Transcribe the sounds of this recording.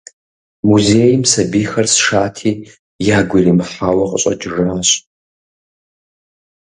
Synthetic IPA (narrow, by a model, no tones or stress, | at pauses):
muzeːjɪmsɐbiːxɐrsʂaːtʰiː | jaːɡʷʊriːmɨħaːwɐqʼəɕʼɐ̰d͡ʒʼɪʐaːɕʼ